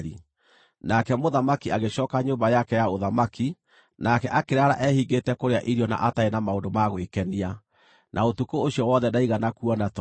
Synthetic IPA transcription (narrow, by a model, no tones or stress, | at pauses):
ɾḭ | nakɛmoðamakiaɣeɕɔkaɲoːmbajakɛjaoðamaki | nakɛʔakeɾaɾa̰ʔɛhiɡetɛkoɾeaʔiɾiɔna̰ʔataenamaondomaɣwekɛnia | nʔaotukoːɕiɔwɔːðɛdaiɣanakuɔnat